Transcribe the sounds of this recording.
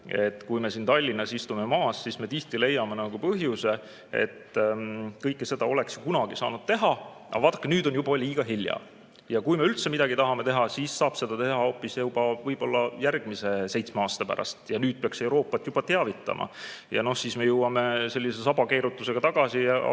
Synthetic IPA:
e̞t̪ːkujme̞siːnt̪ɑlʲːinːɑsist̪ume̞mɑːssisme̞t̪iht̪ile̞jːɑme̞nɑɡ̥upɤɦjuse̞ | e̞̰t̪ː | kɤjkːese̞d̪̥ɑo̞le̞ksjukunɑɡ̥isɑ̰ːnud̪̥t̪e̞ɦɑ | ʔɑ̰vɑːt̪ːˑɑ̥kːˑenyːd̪̥o̞njubɑliːɡ̥ɑɦiljɑ̰ | jɑkujme̞ylt̪se̞mid̪̥ɑɡ̥it̪ɑɦɑmet̪e̞ɦɑsiːsːɑːb̥se̞d̪̥ɑt̪e̞ɦɑo̞ːpːˑisjewb̥ɑvɤjb̥o̞lːɑjærɡ̥̚mise̞sejt̪smeɑːst̪ɑpæ̰ɾʔɑ̰st̪jɑnyːd̥̪̚peɑkse̞wɾo̞ːpːɑt̪ːˑjubɑt̪e̞ɑvit̪ːˑɑ̰mʔɑ̰jɑ̰no̞hsiːsme̞jɤwɑme̞se̞lʲːisesɑbɑke̞ːɾut̪ːˑuse̞ɡɑt̪ɑɡ̥ɑsijɑ̰

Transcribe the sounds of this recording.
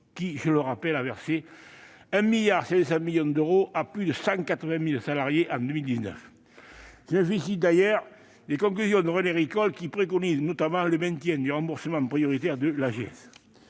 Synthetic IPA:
kiʒələʁapɛlavɛʁse | ɛ̃miljaʁsɛzsɑ̃miljɔ̃d̪øʁoʔaplyd̪əsɑ̃kat̪χəvɛ̃milsalaʁjeʔɑ̃d̪əmild̪iznœ̰f | ʒəɛ̃fisid̪ajœʁ | d̪ekɔ̃ŋklyzjɔ̃d̪əʁøneʁikɔlkʲipχekɔniznɔt̪amɑ̃ləmɛ̃nt̪jɛ̃d̪yʁɑ̃mbuʁsəmɑ̃pχijɔʁit̪ɛʁd̪əlaʒeɛ̰s

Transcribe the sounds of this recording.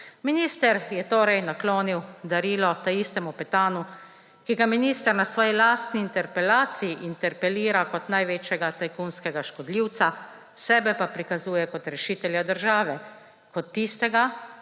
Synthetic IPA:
miniːst̪ɛɾjɛt̪oːɾɛjnakloːniwd̪aɾiːlɔt̪aist̪ɛmupɛt̪aːnu | kiɡaminiːst̪əɾnasʋɔːjilaːst̪niːnt̪ɛɾpɛlaːt̪sijiʔint̪ɛɾpɛliːɾakɔt̪najʋeːt͡ʃjɛɡat̪ajkunskɛɡaʃkɔd̪liwt̪sa | sɛːbɛpapɾikazuːjɛkɔt̪ɾɛʃiːt̪ɛljad̪əɾʒaːʋɛ | kɔt̪ːist̪ɛɡa

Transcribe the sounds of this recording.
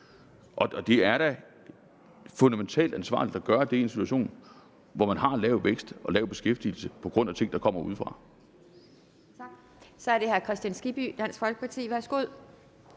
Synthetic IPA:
ʔɒ̽d̥e̝æɐɾ̥æ | fɔnd̥æment͡sʰɛ̰ːld̥ænsʋɑ̰̈ːlid̥ɒɡ̥ɶːɐd̥e̝e̝nsit͡sʰuæɕo̝̰ːn | ʋɒmænɦɑ̈lɛːʊʋeɡ̥sd̥ʔɒ̽lɛːʊb̥e̝sɡ̥efd̥il̩səpʰɒ̽ɡ̥ʁɔ̽n̰æt͡sʰe̝ŋ̰d̥ɑ̈kʰɒ̽m̰ɐuð̞ˠfʁɑ̈ | sɒ̽æɐd̥e̝hæɐkʰʁɛsd̥jænsɡ̥ib̥yd̥æn̰sɡ̥fɒ̽lɡ̥ə̥pʰɑ̈t͡sʰḭːʋæɐsɡ̥oð̰ˠ

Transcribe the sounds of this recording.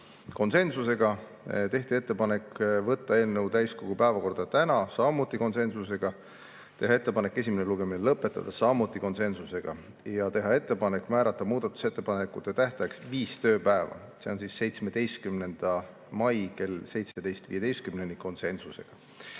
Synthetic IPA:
ko̞nse̞nsuse̞ɡ̥ɑ | t̪e̞ht̪ie̞t̪ːepɑne̞kvɤt̪ːɑe̞ːlnəwt̪æjsko̞ɡ̥upæevɑko̞rd̪̥ɑt̪ænɑsɑmut̪ˑːiko̞nse̞nsuse̞ɡ̥ɑ | t̪e̞ɦɑe̞t̪ːe̞pɑnekːˑe̞s̬ʲimeneluɡ̥eminelɤpːˑe̞t̪ːˑɑ̰d̪̥ɑsɑmut̪ˑːiko̞nse̞nsuse̞ɡ̥ɑ | jɑt̪e̞ɦɑe̞t̪ːe̞pɑne̞kːˑmæːɾɑt̪ːˑɑmuːd̪̥ɑt̪ːˑu̥se̞t̪ːˑe̞pɑnekːˑut̪ːet̪æht̪ɑksviːst̪ø̞ːpæevɑ̰se̞o̞nsisːe̞jt̪sme̞d̪̥e̞jst̪̚kymne̞nd̪̥ɑ | mɑjke̞lse̞jt̪sed̪̥ejst̪vḭːe̞d̪e̞jst̪̚kymnenːiko̞nse̞nsuse̞ɡ̥ɑ

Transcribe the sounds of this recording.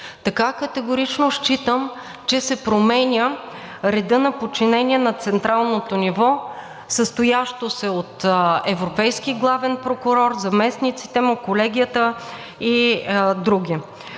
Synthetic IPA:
t̪ɐkakət̪ɛɡoɾit͡ʃnoʃt͡ʃit̪əm | t͡ʃɛsɛpɾomɛnʲə | ɾɛd̪ɤnɐpot͡ʃinɛniɛnɐt̪sɛnt̪ɾalˠnot̪onivɔ | səst̪ojaʃt̪osɛot̪ɛvɾopɛjskiɡlˠavɛnpɾokʊɾɔɾzɐmɛsnit̪si̥t̪ɛmokolɛɡ̟ʲijət̪ə | id̪ɾuɡʲi

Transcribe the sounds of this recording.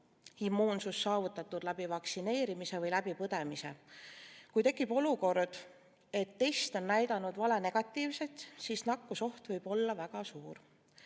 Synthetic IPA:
imːuːnsusːɑːvut̪ːˑɑt̪ːud̪̥læb̥ivɑksine̞ːɾimise̞vɤjlæbipɤd̪̥e̞mise̞̰ | kujt̪e̞kːˑib̥o̞luko̞rd̪̥ | e̞t̪ːe̞jst̪o̞nːæjd̪ɑnud̪vɑlene̞ɡ̥ɑt̪ːˑiːvse̞t̪siːsnɑkːuso̞ht̪vɤjb̥o̞lːɑvæɡ̥ɑsuːɾ

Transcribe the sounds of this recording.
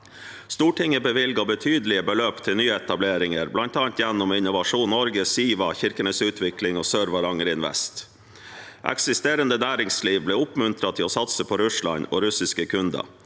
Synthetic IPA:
st̪uːʈɪŋəbəʋɪlɡɑbət̪ʰyːd̪əlɪəbəløːpt̪ʰɪlnyːəɛt̪ɑbleːɾɪŋəɾblɑnt̪ɑːnt̪jɛnːʊmɪnʊʋɑʂuːnnːɔɾɡəsiːʋɑçɪɾkənəsʉːt̪ʰʋɪklɪŋoːsøːɾʋɑɾɑŋəɾɪnʋɛ̰st̪ | ʔɛ̰ksɪst̪eːɾənd̪ənæːɾɪŋsliːʋbleːʊpmʉnt̪ʰɾɑt̪ʰɪosɑt̪səpʰɔɾʉʂlɑ̰no̰ːɾʉsɪskəkʰʉnd̪ɑ̰

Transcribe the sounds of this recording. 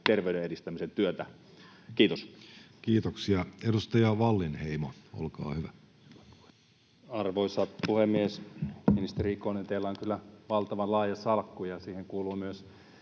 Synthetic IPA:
t̪erʋeyɾeedist̪æmisent̪yøt̪æ | kiːt̪oskiːt̪oksiɑedust̪ɑjɑʋɑlːinheimoo̰lkɑ̰ːhyʋæ | ɑrʋoisɑt̪puhemːiesminist̪erikonent̪eilːæoŋkylːæʋɑlt̪ɑʋɑnlɑːjɑsɑlkːujɑsiːheŋkuːluːmyøs

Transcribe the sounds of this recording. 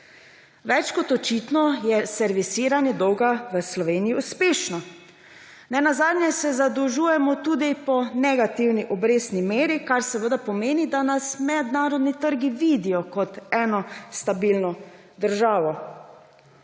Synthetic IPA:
ʋɛt͡ʃkɔt̪ɔt͡ʃiːt̪nɔjɛsɛɾʋisiːɾanjɛd̪ɔwɡaʋəslɔʋeːnijiuspeːʃnɔ | nɛnazaːd̪nʲjɛsɛzad̪ɔʒuːjɛmɔt̪uːd̪ipɔnɛɡat̪iwniʔɔbɾeːsnimeːɾikaɾsɛʋəd̪apɔmeːnid̪anasmɛd̪naːɾɔd̪nit̪əɾɡiʋiːd̪ijɔkɔt̪ɛːnɔst̪abilnɔ | d̪əɾʒaːʋɔ

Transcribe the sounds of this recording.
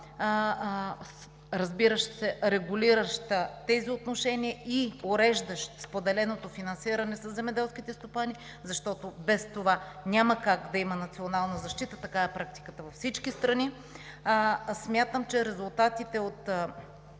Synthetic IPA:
ɾɐzbiɾəʃsɛɾɛɡuliɾəʃt̪t̪ɛziot̪noʃɛnʲiəioɾɛʒd̪əʃt̪spod̪ɛlɛnot̪ofinɐnsiɾɐnɛsɐsːɛmɛd̪ɛlˠsk̟it̪ɛst̪opani | zɐʃt̪ɔt̪obɛst̪ovanʲaməkaɡd̪ɐimənɐt̪sionalˠnəzɐʃt̪it̪ət̪ɐkaɛpɾak̚t̪i̥kət̪əvɐfsit͡ʃkist̪ɾɐni | smʲjat̪əmt͡ʃɛɾɛzulˠt̪at̪it̪ɛot̪

